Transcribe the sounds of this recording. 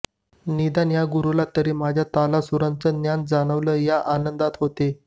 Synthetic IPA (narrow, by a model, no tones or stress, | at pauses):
nid̪anjaɡuɾulat̪əɾiːmad͡ʑʱjat̪alasuɾãnt͡sənjand͡zaɽ̃əʋləːjaʔanənd̪at̪ɦot̪e